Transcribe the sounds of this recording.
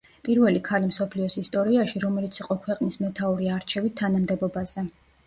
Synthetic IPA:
pʼiɾvɛlikʰalimsɔpʰliɔsist̪ʼɔɾiaʃiɾɔmɛlit̪sʰiqʼɔkʰwɛqʼnismɛt̪ʰauɾiaɾt͡ʃʰɛvit̪ʰːanamd̪ɛbɔbaz̥ɛ

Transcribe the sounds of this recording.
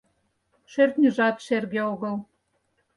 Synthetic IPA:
ʃørt̪nʲĭʒɑt̪ʃerɣeoɣɤ̆l

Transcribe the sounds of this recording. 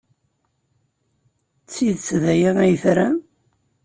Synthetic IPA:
t͡sːiðt͡sːðæjiʁæjəθɾæ

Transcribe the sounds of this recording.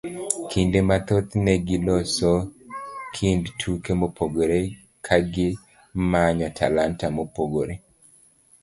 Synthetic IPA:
kʰindemat̪ot̪nɛɡilɔsɔ | kʰindtʰukemopoɡoɾe | kʰaɡɪ | maɲɔtʰa̰lantamopoɡoɾe

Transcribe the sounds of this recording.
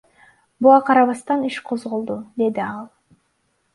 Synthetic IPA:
buʁɑqʰɑɾɑβɑst̪ɑniʃqʰo̞zʁo̞lˠd̪ud̪e̞d̪iɑlˠ

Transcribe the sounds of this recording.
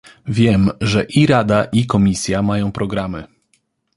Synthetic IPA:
vʲjɛmʐɛʔiɾad̪aʔikɔmʲisʲjamajɔ̃w̃pɾɔɡɾamɘ̰

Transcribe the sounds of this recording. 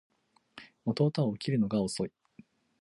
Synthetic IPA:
mot̪o̞ːt̪ao̟ːkʲiɾɯ̟no̞ɡao̞so̞i

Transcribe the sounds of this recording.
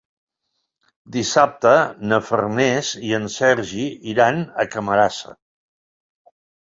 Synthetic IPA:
d̪isap̚t̪ənəfə̰rnɛziənsɛɾʒiiɾanəkəməɾasə̰

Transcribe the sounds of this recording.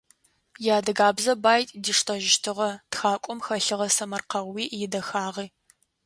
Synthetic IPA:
jaːdɐɡaːbzɐbaːjtʼdiʂtʰʼɐʒɪʃtʰɨʁɐtxaːkʷʼɔmxɐɬɨʁɐsɐmɐrqɐwiːʔjɪdɐxaːʁiː

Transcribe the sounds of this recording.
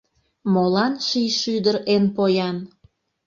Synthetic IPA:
molɑnʃijʃyd̪əɾenpojɑn

